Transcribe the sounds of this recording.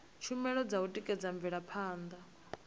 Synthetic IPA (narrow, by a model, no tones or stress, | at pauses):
t͡ʃʰumɛɺɔd͡zautʼikʼɛd͡zaɱb̪viɺapʰaːnd̪a